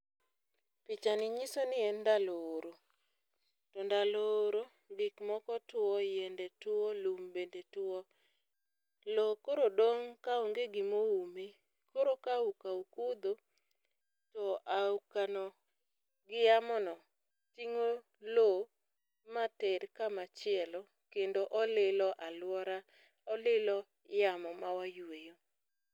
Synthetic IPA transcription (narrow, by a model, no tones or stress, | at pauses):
pɪt͡ʃanɪɲisɔnɪɛndaloɾo | tɔndaloɾo | ŋɡɪkmɔkɔtwɔjɛndɛtwɔlumbendetwɔ | lokoɾodoŋkaoŋɡeɡɪmoume | koɾokaukaukud̪o | tɔʔaukanɔ | ɡɪjamɔnɔ | tiŋo | lo | mateɾkamat͡ʃɪɛlɔ | kendoʔɔlɪlɔʔalwɔɾa | ɔlɪlɔ | jamɔmawajwejo